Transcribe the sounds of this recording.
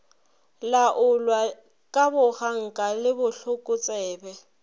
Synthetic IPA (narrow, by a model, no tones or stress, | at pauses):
laʔʊlwa | kʼabʊɣaŋ̩kʼalɪbʊɬʊkʼʊt͡sʼɛːbɛ